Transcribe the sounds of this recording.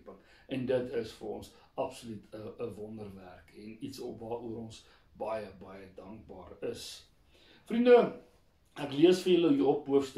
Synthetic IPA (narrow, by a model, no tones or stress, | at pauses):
pəŋ | ʔɛndətʰəsfəɾrɔ̰ns | ɐpsɔlytʰəəvɔndərværkɛnitsɔpvɑːuəɾɔns | bɐjəbɐjədɐŋk̚bɑ̰ːrəs | frində | ækliəsfəjələjiɔpuəfst